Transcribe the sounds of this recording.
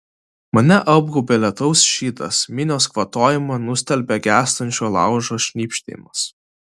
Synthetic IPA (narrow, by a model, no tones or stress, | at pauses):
mɐnʲɛʔɐb̚ɡuːbʲeːlʲɛt̪ɐʊsʃʲiːt̪ɐ̰smʲɪnʲoːskʋɐt̪oːjɪmɐnʊsʲt̪ʲɛlʲbʲɛɡʲæːst̪ɐnʲt͡ʃʲoːlˠɑ̰ˑʊʒoːʃʲnʲiːpʲʃʲt̪ʲɛ̰jmɐs